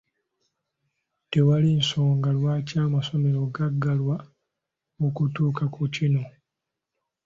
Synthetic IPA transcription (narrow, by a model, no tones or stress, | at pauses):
te̞walinso̞ːŋɡalwaːcaːmaso̞me̞ɾo̞ɡaɡːalwa | mukutuːkakucino̞